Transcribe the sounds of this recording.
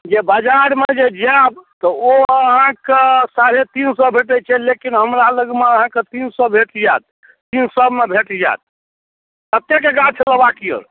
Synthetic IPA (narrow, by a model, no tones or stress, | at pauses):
d͡ʒebəd͡ʒaɾmed͡ʒed͡ʒabt̪ɔoəɦãkesaɾet̪insɔbʱeʈət͡ʃʰɛlekinɦəmɾaləɡmeəɦãket̪insɔbʱeʈid͡ʒat̪̚ | t̪insəbmebʱeʈid͡ʒa̰t̪̚ | t̪ət̪ekeɡat͡ʃ̪ʰeləbakiə̰ɾ